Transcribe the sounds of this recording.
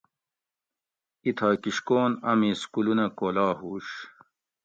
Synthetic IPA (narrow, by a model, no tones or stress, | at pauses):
it̪ʰaːkiɕkoːnɐmiskulunɐkoːlaːɦuːɕ